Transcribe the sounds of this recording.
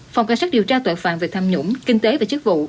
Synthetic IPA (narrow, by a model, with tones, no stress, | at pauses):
fa˨˩wŋ͡mka˧˩ŋsaː˦˥ɗi˨˩əwt͡ɕaː˧t̪o̰ː˧˨jfa̰ː˧˨nmvi˨˩k̚t̪ʰaː˧mɲṵ˧˥ŋ͡mkï˧ŋ̟t̪e˨˦vaː˨˩t͡ɕɨ˦˥k̚vṵ˧˨